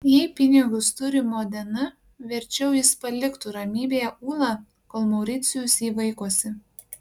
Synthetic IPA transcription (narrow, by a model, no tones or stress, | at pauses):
jɛɪpʲɪnʲɪɡʊst̪ʊɾʲɪmoːd̪ʲɛnɐ | ʋʲɛɾʲt͡ʃʲɛʊjɪspɐlʲɪkt̪ʊɾɐmʲiːbʲeːjɛʔuːlˠɑ | koːlˠmɐʊɾʲɪt̪sʲɪjʊsʲiːʋɐɪkuɔsʲɪ